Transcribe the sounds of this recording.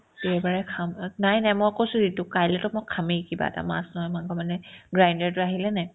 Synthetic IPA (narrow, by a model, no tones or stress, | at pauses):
tɛbaɹɛkʰamnajnajmɔjkosʊ̃zitʊkajlɛtɔmʊkʰːamikiba̰ɛ̰ta̰ma̰snɔɦɔjmankɔmanɛɡɹajndaɹtʊaɦilɛnaj